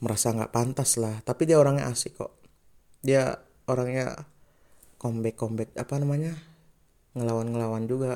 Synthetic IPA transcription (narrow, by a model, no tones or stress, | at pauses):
məɾasaŋɡa̰ʔpant̪aslaht̪apidiaoɾaŋɲa̰ʔasɪkɔ̰ʔ | dia | oɾaŋɲa̰ | kɔmbɛkːɔmbɛk̚apanamaɲa | ŋəlawanŋəlawand͡ʒuɡa